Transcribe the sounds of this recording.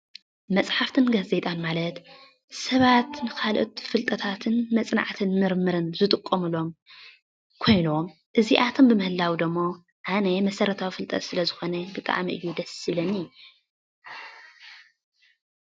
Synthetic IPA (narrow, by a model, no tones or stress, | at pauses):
mɐt͡sʼħaft̪ʰɨnɡaze̞t̪ʼanmalɐt̪ | sɐβat̪nɨkʰalʔo̰t̪fɨlt̪ʼɐt̪ʰat̪ʰɨnmɐt͡sʼna̰ʕt̪ʰɨnmɨɾmɨɾɨnzɨt̪ʼɨkʼːɐmɨlo̞m | kʰo̞jno̞m | ʔɨziʔat̪ʰo̞mbɨmɨhɨlːawid̪ɨmːo̞ | ʔanɐmɐsɐɾɐt̪ʰawifɨlt̪ʼɐ̰t̪sɨlɐzɨxo̞nɐbɨt̪ʼa̰ʕmiʔɨ̰jːud̪ɐsilɐnɨju